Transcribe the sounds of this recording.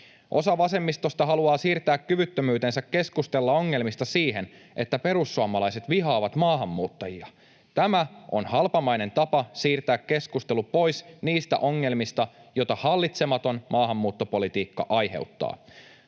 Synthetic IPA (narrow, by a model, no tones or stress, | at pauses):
ʔo̞̰sɑʋɑse̞mːist̪o̞st̪ɑɦɑluɑːsiːrt̪æːkkyʋyt̪ːømyːt̪e̞nsækːe̞skust̪e̞lːɑo̞ŋːe̞lmist̪ɑsiːɦe̞n | ʔe̞t̪ːæpe̞ɾusːuɑmɑlɑjse̞t̪ʋiɦɑːʋɑt̪mɑːɦɑmːuːt̪ːɑjiɑ | t̪æmæo̞nhɑlpɑmɑjne̞nt̪ɑpɑsiːrt̪æːkːe̞skust̪e̞lupo̞jsniːst̪æ̰ʔo̞ŋːe̞lmist̪ɑjo̞jt̪ɑhɑlːit̪se̞mɑt̪o̞nmʔɑːɦɑmːuːt̪ːo̞po̞lit̪iːkːɑ̰ʔɑjɦe̞̰wt̪ːɑ̰ː